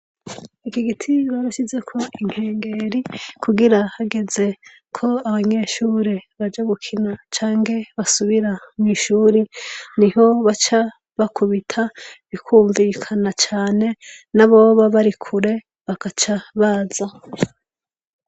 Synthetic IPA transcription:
ikiɡitʰiβaβaʃize̞kʰo̞iŋ̥he̞ːŋɡe̞ɾikʰuɡiɾahaɡe̞ze̞ | kʰo̞aβaɲe̞ʃuːɾeβad͡ʒaɡukʰinat͡ʃaːŋɡe̞βasuβiɾamŋiːʃuːɾiniɦo̞βat͡ʃa | βakʰuβitʰaβikʰuːɱviːkʰanat͡ʃaːne̞naβo̞ːβaβaɾikʰuɾe̞ | βakat͡ʃaβaːza

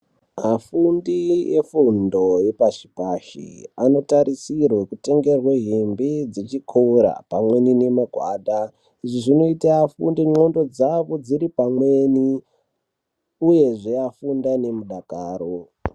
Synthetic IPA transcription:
mafundiefundo̞jepaʐipaʃḭano̞taɾisirwekute̞ŋɡe̞rweɦimbid͡zit͡ʃikʰouɾa̰pamwe̞nine̞maɡʱwa̰ːɗa | iʐiʐino̞itaːfṵndiŋ͡ǀo̞ndo̞d͡zaʋo̞d͡ziɾipamwe̞ni | uje̞ʐeafundane̞muɗakaːɾo

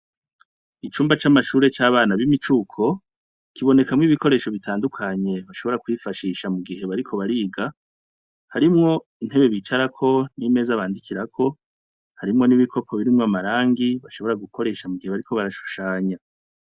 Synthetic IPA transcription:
it͡ʃuːmbat͡ʃamaʃuːɾe̞t͡ʃaːβaːnaβimit͡ʃuːkʰo̞ | kiβo̞ne̞kamŋiːβiko̞ɾe̞ːʃo̞βitʰaːndukʰaɲe̞βaʃo̞βo̞ɾakwifaʃiːʃamuɡihe̞βaɾikʰo̞βaɾiːɡa | haɾimŋo̞ | in̥e̞βe̞βit͡ʃaɾakʰo̞nime̞ːzaβaːndikʰiɾakʰo̞ | haɾimŋo̞niβikʰo̞pʰo̞βiɾimŋoamaɾaːŋɡiβaʃo̞βo̞ɾaɡukʰo̞ɾe̞ːʃamuɡiheβaɾikʰo̞βaɾaʃu̥ʃaːɲa

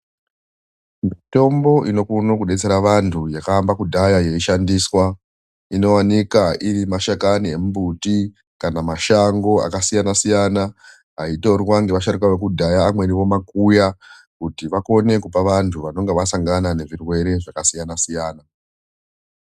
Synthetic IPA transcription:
mito̞mbo̞ʔino̞kunokuɗe̞t͡se̞ɾaʋantʰujakaːmbakudʱajaje̞iʃandiswa | ino̞wanikaʔiɾimaʃakaniemubuti | kanamaʃaŋɡo̞a̰kasijanasijana | ɦaitorwaŋɡeʋaʃaɾikwaʋek̬udʱajaːmwe̞ɾiʋo̞makuja | kutiʋako̞ne̞kupaʋantʰuʋano̞ŋɡeʋasaŋɡanane̞ʐirwe̞ɾe̞ʐakasijanasijaːna

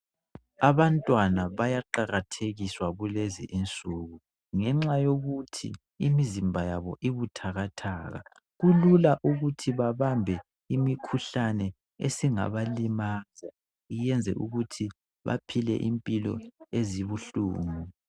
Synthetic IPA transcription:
aβantʼwanaβajaǃaɣatʰeɣiswaβulezḭʔint͡sʼuɣu | ŋɛŋ͡ǁajoɣutʰḭ | imizimbʱajaβɔʔiβutʰaɣatʰaːɣa̰ | ɣululaʔuɣutʰiβaβambʱɛ | imikʰuɬanɛ | ḛsiŋa̰βalimaza | ijɛnd͡zʱɛ̰ʔuɣutʰi | βa̰pʰilɛ̰ʔimpʼilɔ̰eziβuɬṵːŋu

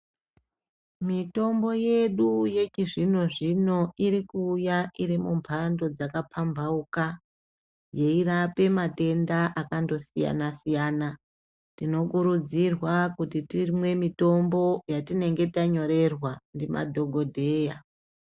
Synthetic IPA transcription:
mito̞mbo̞je̞ɗuje̞t͡ʃiʐino̞ʐino̞iɾikuːjaʔiɾimumpʰando̞d͡zakapʰambʱauka | je̞irape̞mate̞ndaʔakando̞sija̰nasijaːna | tino̞kuɾud͡zirwakutitimwe̞mito̞mbo̞jatine̞ŋɡe̞taɲo̞ɾe̞rwandimʔa̰dʱo̞ɡʱo̞dʱeja

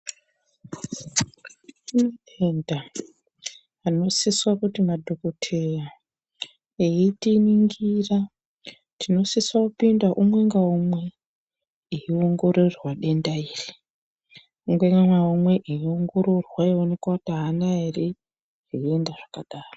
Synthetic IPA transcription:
n | enda | no̞siswakutimadʱo̞kotʰera | eitiniŋɡira | tʰino̞siswakupindaʔumwe̞ŋɡaumwe̞ | iioŋɡo̞ɾorwaɗe̞ndaiːri | uŋɡeŋaumwe̞ʔiioŋɡo̞ɾo̞rwaeonekwataɦanaeri | ʐiie̞ndaʐ̥akaɗaːro

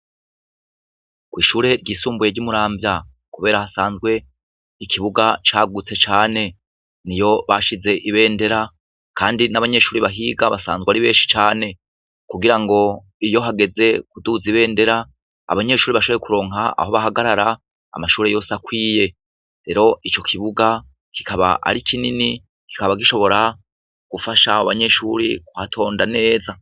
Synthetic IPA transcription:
kwiːʃuːɾe̞ɾɟiːsuːmbuje̞ɾɟumuɾaːmbja | kuβe̞ːɾahasaːnzɡwe̞ | ikʰiβuɡat͡ʃaːɡut͡se̞t͡ʃaːne̞ | nijo̞βaʃize̞ʔiβe̞ːnde̞ɾa | kaːndinaβaɲe̞ʃuːɾiβaɦiːɡaβasa̰ːnzɡeaɾiβeːʃi̥t͡ʃaːne̞ | kuɡiɾaŋɡo̞ | ijo̞ɦaɡe̞ze̞kuduziβe̞ːnde̞ɾa̰ː | βaɲe̞ʃuːɾiβaʃoβ̞ekuɾo̞ːŋɦaa̰ho̞βaɦaɡaɾaɾa̰ː | maʃuːɾe̞jo̞ːsakwiːje̞ | ɾe̞ɾo̞ʔit͡ʃo̞kʰiβuɡa | ki̥kʰaβa̰ʔa̰ɾikʰinini | ki̥kaβaɡiʃo̞βo̞ɾa | ɡ̥ufaʃa̰oβaɲe̞ʃuːɾḭkuhatʰo̞ːndane̞ːza

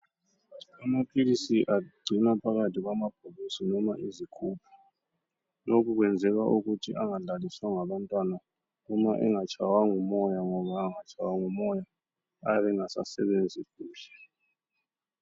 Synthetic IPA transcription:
amapʰilisiʔaɡ͡ǀʱinapʰaɣatʰiɣ̬wamap̚ʰolisinɔmaʔizikʰuːpʰu̥ | lok̬ʰʼuk̬wɛnd͡zʱɛɣaʔuɣutʰiʔaŋaɮaliswaŋaβantʼwana | ɔmaʔɛ̰ŋat͡ʃʰʼawaŋumɔjaŋɔβaːŋat͡ʃʰʼawaŋumɔjaː | βɛŋasa̰sɛβend͡zʱikuːlɛ

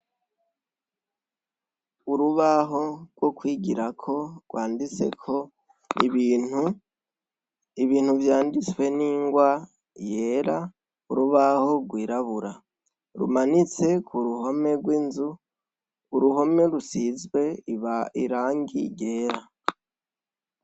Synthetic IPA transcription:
uɾuβaɦo̞ɡwo̞kwiːɡiɾakʰo̞ɡwaːndit͡se̞̰kʰo̞ | iβinu | iβiːn̥huvjaːndit͡swe̞niːŋɡwa | je̞ːɾa | ṵɾuβaho̞ɡwiːɾaβuɾa | ɾṵmanit͡se̞kʰuɾuɦome̞ɡwiːnzu | uɾuho̞me̞ɾusizɡwe̞iɾaːŋɡije̞ːɾa

